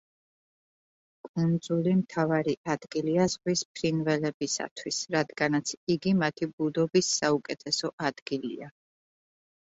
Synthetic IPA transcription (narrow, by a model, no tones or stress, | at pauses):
kʼund̪zulimt̪ʰavaɾiʔad̪̥ɡiliazʁwisp̚ʰɾinvɛlɛbisa̰t̪ʰwisɾad̪ɡanat̪sʰiɡimat̪ʰibud̪ɔbisːaukʼɛt̪ʰɛsɔʔad̪̥ɡilḭa